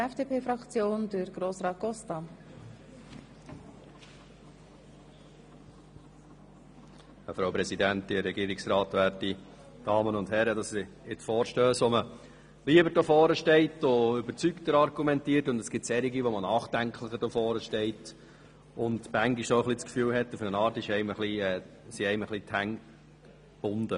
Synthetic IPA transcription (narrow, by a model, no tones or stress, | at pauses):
ɛfd̥epʰeːfɾɑkt͡sjoːndɪɾɡ̥ɾoːsɾɑːt̚ɡ̥ɔstɑ | əfɾaʊpɾɛsidænt̪ɪɾɛɡiːɾɪksɾɑːtʋæːɾti | d̥ɑːmənʊndhɛɾədɑssɪ | ɪtfɔːɾʃtœːsʋɔmə | liəbəɾd̥oːfɔːɾəʃtɛɪtʊʏbəɾt͡syktəɾɑɾɡumɛntiːərtʊndɛsɡ̥ɪtsɛɾiɡiʋɔmənɑːχd̥æŋkʰləχədɔfɔːɾəʃtɛɪt | ʊnd̪mæŋɡiʃoχlit͡skfyːlɦɛtːəfʏɾənɑːɾtɪʃɛɪməχliɛ | siɛɪməχlit̪ʰhæŋ | b̥ʊnd̥̪ə